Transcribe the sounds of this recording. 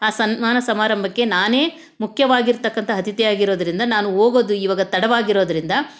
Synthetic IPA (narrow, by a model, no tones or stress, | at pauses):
aːsɐnmaːnɐsɐmaːɾɐmbʱɐkːe̞naːne̞ː | mukʰjɐʋaːɡiɾt̪ɐkːɐnt̪ʰɐɦɐt̪ʰit̪ɛjaːɡiɾo̞ːd̪ɐɾind̪ɐnaːnuɦoːɡoːd̪uiʋɐːɡɐt̪ɐɽɐʋaːɡiɾo̞ːd̪ɐɾind̪ɐ